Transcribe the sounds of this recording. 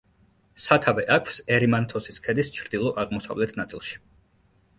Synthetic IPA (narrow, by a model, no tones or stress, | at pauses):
sat̪ʰavɛʔakʰfsɛɾimant̪ʰɔsiskʰɛd̪ist͡ʃʰɾd̪ilˠɔʔaʁmɔsa̰vlɛt̪ʰnat̪sʼḭlˠʃi̥